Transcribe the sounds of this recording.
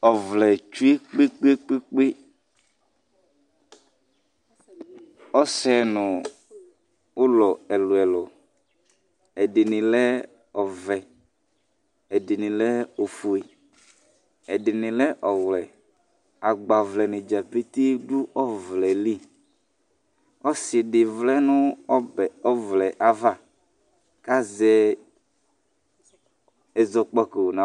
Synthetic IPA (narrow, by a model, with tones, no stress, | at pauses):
ɔ˨vlɛ˨t͡ʃu˦e˦k͡pe˦k͡pe˦k͡pe˦k͡pe˦ | ɔ˦sɛ˦nʊ̃˨ | ʊ˦lɔ˨ɛ˨lʊ˨ɛ˨lɔ˨ | ɛ˨dɪ˨nɪ̃˨lɛ˦ | ɔ˨vɛ˨ | ɛ˨dɪ˨nɪ̃˨lɛ˦o˨fu˨e˨ | ɛ˨dɪ˨nɪ̃˨lɛ˦ʔɔ˨wlɛ˨ | a˨ɡ͡ba˨vlɛ˨nɪ˨d͡ʒa˨pe˦t̪i˦ɖʊ˦ʔɔ˦vlɛ˨li˦˨ | ɔ˦sdɪ˨vlɛ˦nʊ̃˦ɔ˦bɛ˨ɔ˦vlɛ˨ʔa˨va˦˨ | ka˦zɛ˨ | ɛ˨zɔ˨k͡pɔ˨ko˨nã˨